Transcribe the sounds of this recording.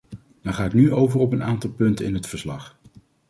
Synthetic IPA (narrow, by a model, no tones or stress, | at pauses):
daɹχaːɪknyʔowvərɔpənaːntɑlˠpɵntənɪ̰nɦətfəɹslɑχ